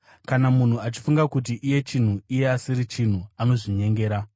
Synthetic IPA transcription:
kanamun̤uat͡ʃi̥fuŋɡakut̬iʔije̞t͡ʃin̤uije̞asiɾit͡ʃin̤uano̞ʐiɲe̞ŋɡe̞ːɾa

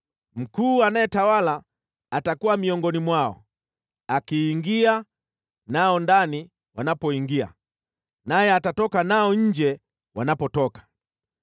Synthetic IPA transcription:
m̩kuːanajɛtawalaː | takuwamiɔŋɡɔnimwaɔ̰ | akiːŋɡia | naɔndani | wanapɔiŋɡia̰ | najɛatatɔkanaɔɲ̩d͡ʒɛ | wanapɔtɔkḁ

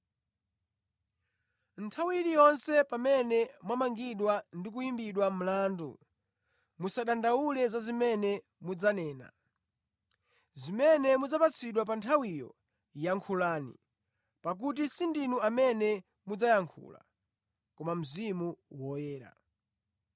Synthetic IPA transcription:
ntʰawiɾijɔnsɛpamɛnɛmwamaŋɡiɗwandik̬ujimbiɗwam̩laːndṵ | musaɗandaulɛzazimɛnɛ | mud͡zanɛːna̰ | zimɛnɛmud͡zapat͡sʰiɗwap̬antʰawijɔ̰ | jaŋkʰulaːnḭ | pak̬ut̬isindinuamɛnɛ | mud͡zajaŋkʰṵla̰ | kɔmam̩zimuwɔjɛːɾa̰

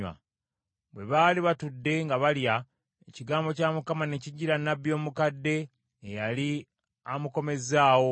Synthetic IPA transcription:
a̰ | βwe̞βaliβatudːe̞ŋɡaβalja | eciɡaːmbo̞camukamaneciɟiɾanːabjo̞ːmukadːe̞ː | jali | amuko̞me̞zaːwo̞

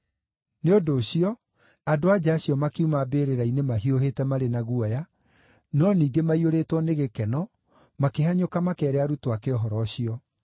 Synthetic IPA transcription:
neodoːɕiɔ | adoad͡ʑaːɕiɔmakeumabeːɾeɾainemaɦiohetɛmaɾenaɣuɔja | nɔniːɡemaioɾetwɔneɣekɛnɔ | makeɦaɲokamakɛːɾeaɾutoakeɔɦɔɾɔɕiɔ

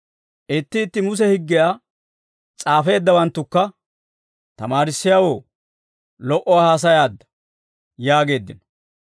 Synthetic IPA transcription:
ʔɪt̪ːɪːt̪ːɪmʊs̬ɛhɪɡːɪjaː | t͡sʼaːfe̞ːd̪ːɐwɐnt̪ːʊkːɐ | t̪ɐmaːɾɪsːɪjawo̞ː | lɔʔɔwaːhaːs̬ɐjaːd̪ːɐ̥ | jaːɡe̞ːd̪ːɪ̰nɔ

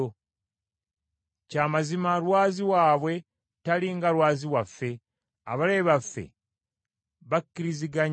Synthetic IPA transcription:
o | caːmazimalwaːziwaːβwe̞ | taliŋɡalwaːziwafːe̞ | a̰βaleːβafːe̞̰ | βakːiɾiziɡaɲ

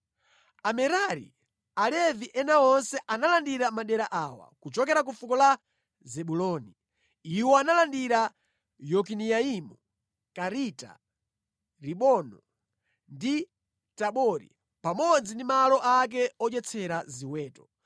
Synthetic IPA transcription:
amɛɾaɾḭ | alɛviʔɛnaɔnsɛʔanalandiɾamaɗɛɾaʔaːwa̰kut͡ʃɔkɛɾak̬ufukɔla | zɛɓulɔni | iwɔanalandiɾa | jɔkinijaimu | kaɾita̰ | ɾiɓɔnɔ | ndi | taɓɔɾḭ | pamɔd͡zindimalɔʔak̬ɛɔt͡ʃɛt͡sʰɛɾaziwɛːtɔ

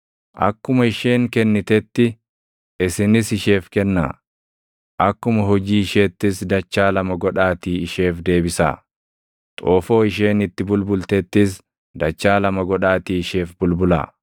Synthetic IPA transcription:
ʔɐ̰kːʊmɐɪʃe̞ːŋkɛnːɪt̪ɛt̪ːɪ | ɪsɪnɪsɪʃe̞ːfkɛnːa̰ː | ʔɐkːʊmɐɦɔd͡ʒiːɪʃeːt̪ːɪsd̪ɐt͡ʃːaːlɐmɐɡɔᶑaːt̪iːɪʃe̞ːfd̪e̞ːbɪsa̰ː | t̪ʼoːfo̞ːɪʃ̬e̞ːnɪt̪ːɪbʊlbʊlt̪ɛt̪ːɪs | d̪ɐt͡ʃːaːlɐmɐɡɔᶑaːt̪iːɪʃe̞ːfbʊlbʊla̰ː

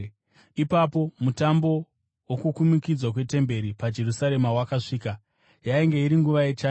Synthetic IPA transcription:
ipapo̞mutambo̞ | wokukumikid͡zwakwe̞te̞mbe̞ɾipad͡ʒe̞rusaɾe̞mawakaʂiːka | jaiŋɡe̞iɾiŋɡuʋaet͡ʃaː

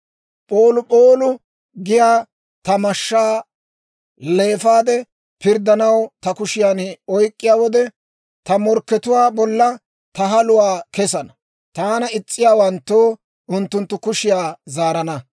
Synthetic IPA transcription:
pʼoːlʊpʼoːlʊ | ɡɪjaː | t̪ɐmɐʃːaː | le̞ːfaːd̪ɛ | pɪɾd̪ɐnɐwt̪ɐkʊʃɪjaːnɔjkʼːɪjaːwɔd̪ɛ | t̪ɐmɔɾkːɛt̪ʊwaːbɔlːɐ | t̪ɐɦɐlʊwaːkɛsɐnɐ | t̪aːnɐɪt͡sʼːɪjaːwɐnt̪ːoː | ʊnt̪ːʊnt̪ːʊkʊʃɪjaːzaːɾɐnɐ

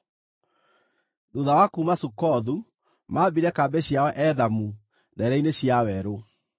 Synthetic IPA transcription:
duðawakumasukɔðu | mabiɾɛkabɛɕjawɛʔɛðamu | nɛɾɛineɕjawɛɾo

